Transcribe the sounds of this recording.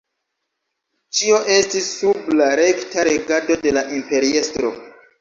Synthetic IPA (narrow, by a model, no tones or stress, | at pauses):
t͡ʃio̞ʔe̞stisːublaɾe̞ktaɾe̞ɡado̞de̞laʔimpe̞ɾie̞stɾo̞̰